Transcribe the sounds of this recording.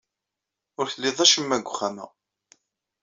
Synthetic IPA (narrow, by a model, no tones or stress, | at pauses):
ʊɾθəlːɪðˤæʃəmːæɡʷʊχːæmæ̰